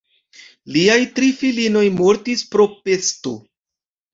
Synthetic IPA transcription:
liajtɾifilino̞jmo̞ɾtispɾo̞pe̞sto̞̰

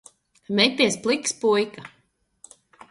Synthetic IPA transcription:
mɛjpʲiɛsplˠikspujka

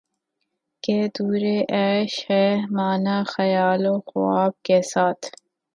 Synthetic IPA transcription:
keːd̪uːɾeʔɛːʃhemaːnaxɐjaːloxʊaːb̚kesaːt̪ʰ

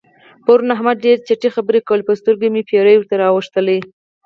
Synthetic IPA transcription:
pəɾunaɦmad̪̚ɖeɾt͡ʃaʈixabəɾekawəlpəst̪əɾɡemepʰeɾəjwʊɾt̪aɾɑwəʂt̪əle

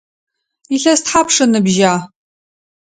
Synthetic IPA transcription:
iɬɐstħapʰʂɨnɨbʒaː

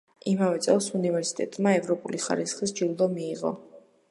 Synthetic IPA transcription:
imavɛt̪sʼɛlˠsunivɛɾsi̥t̪ʼɛt̪ʼmaɛvɾɔpʼuliχa̰ɾisχisd͡ʒild̪ɔmiːʁɔ̰

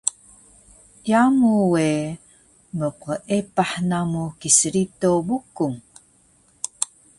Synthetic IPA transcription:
tjamuwe | məqəʔepaħnamukisəɾitobukuŋ

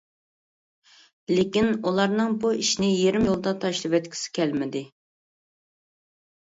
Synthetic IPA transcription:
lɪkʲinulˠɑɾnɨŋbuiʃnɪjeɾɪmjolˠd̪ɑt̪ʰɑʃlˠɨvɛt̪̚kʲʰi̥sɪ̥kʲɛlmɪd̪ɪ

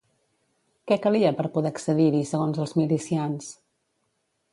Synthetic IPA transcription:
kɛkəliəpəɾpuðɛəksəðiɾisəɣonzəlˠzmilisians

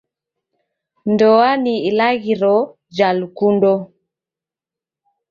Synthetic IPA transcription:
ndɔaniilaɣiɾɔ | d͡ʒalukundɔ

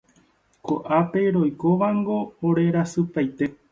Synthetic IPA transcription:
ko̰ʔape̞ɾo̞jkoʋaŋɡo̞ːɾe̞ɾasɨpajt̪e̞

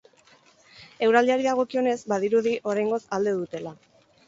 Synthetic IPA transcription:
e̞wɾald̪iaɾiðaɣ̞o̞kio̞ne̞zbaðiɾuðiʔo̞ɾajŋɡo̞sald̪e̞ðut̪e̞la

